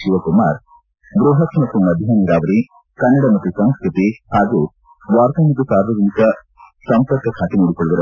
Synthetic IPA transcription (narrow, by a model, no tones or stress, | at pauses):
ʃiʋɐkumaːɾ | ɡɾuːɦɐt̪mɐt̪ːumɐd̪ʱjɐniɾaːʋɐɾi | kɐnːɐɽɐmɐt̪ːusɐŋskɾut̪ihaːɡu | ʋaːɾt̪ɐmɐt̪̬ːusaːɾʋɐɡ̪int̪ɐ | sɐmpɐɾkɐkʰaːt̪inuːɽikoɭuʋ̪ɐɾɐ